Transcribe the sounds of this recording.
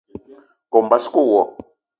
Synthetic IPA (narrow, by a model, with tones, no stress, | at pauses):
kɔ˨m̩˨ba˦si̥˦kʼuː˨wɔ̰˨